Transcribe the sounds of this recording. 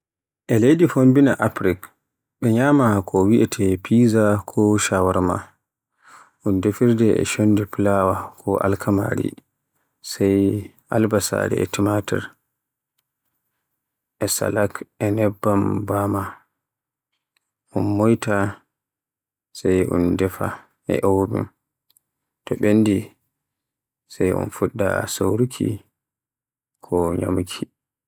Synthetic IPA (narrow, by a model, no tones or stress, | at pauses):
ʔɛlejdifombina̰ʔapɾik | ɓɛɲamakʰɔwiʔɛtʰɛpʰizakʰɔʃawaɾma̰ | ʔundefiɾdɛɛ̰ʃondiplawakʰɔʔa̰lkʰama̰ɾḭ | saj | ʔa̰lbasa̰dɛ̰ɛ̰timatɛ̰ɾ | ʔɛsa̰lakɛnɛbːambama | ʔunmojta | sajṵndɛfa | ʔɛ̰ʔowbṵm | tɔɓenːdi | sajṵnfuɗːa̰sowɾukʰḭ | kʰɔɲa̰mkʰi